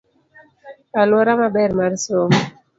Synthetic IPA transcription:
alwɔɾamabɛɾmaɾsom

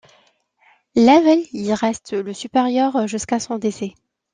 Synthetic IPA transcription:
lavɛliʁɛst̪ləsypeʁjœʁʒyskasɔ̃d̪esɛ

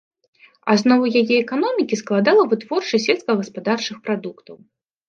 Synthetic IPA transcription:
a̰znɔvɐjajɛɛkan̪ɔmʲikʲisklˠad̪alˠɐvɨt̪v̥ɔrt͡ʂɐsʲɛlʲskɐɣɐspad̪art͡ʂɨxpɾad̪ukt̪ɐw

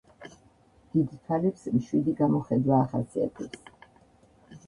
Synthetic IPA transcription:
d̪̥id̪t̪ʰalɛpsmʃwid̪iɡamɔχɛd̪waːχasia̰t̪ʰɛps

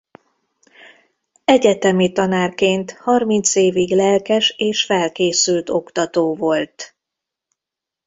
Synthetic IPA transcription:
ɛɟɛt̪ɛmit̪ɒnaːrkeːnt̪hɒrmint̪seːviɡlɛlkɛʃeːʃfɛlkeːsylt̪o̞kt̪ɒt̪oːvo̞lt̪

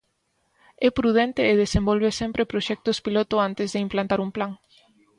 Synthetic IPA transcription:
ɛpɾuð̞ɛnt̪eːðesembolβesɛmpɾepɾoʃɛk̚t̪ospilot̪ʊant̪ɪzðɪimplant̪aɾumplaŋ

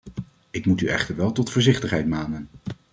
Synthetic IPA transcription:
ɪkmutyʔɛ̰χtəɹʋɛlˠtɔtfɔːɹzɪχtəχɦɛjtmaːnən

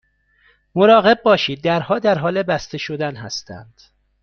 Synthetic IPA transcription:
moɾɒːɣe̞b̚bɒːʃiːd̪̚ːæɾhɒːd̪æɾɦɒːle̞bæst̪eʃo̞d̪ænɦæ̰st̪ʰæ̰nd̪̥

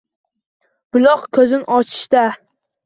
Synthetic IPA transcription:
b̥ʊlˠɒqkʲʰɵzɪnʔɒt͡ʃʰɪ̥ʃt̪a

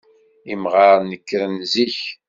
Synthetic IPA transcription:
imʁɑɾˤnəkːɾənziç

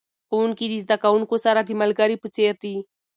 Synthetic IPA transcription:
xouŋkid̪izd̪akawuŋkosaɾad̪imalɡaɾipət͡seɾd̪i

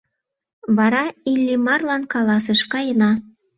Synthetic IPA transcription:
βɑɾɑilʲːimɑrlɑnkɑlˠɑsɤʃkɑjɤ̆nɑ

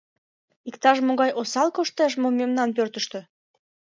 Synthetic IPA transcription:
ikt̪ɑʃmoɣɑjosɑlkoʃt̪eʃmomemnɑnpørt̪əʃt̪ø̆

